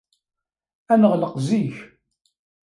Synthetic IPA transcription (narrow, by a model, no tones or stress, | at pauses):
ænəʁləqziç